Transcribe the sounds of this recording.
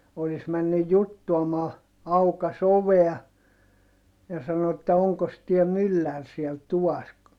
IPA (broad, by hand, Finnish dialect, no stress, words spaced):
olis mænːyj jutːuɑmɑː ɑukɑs oʋeɑ jɑ sɑno etːæ oŋkos tiæ mylːær siel tuʋɑs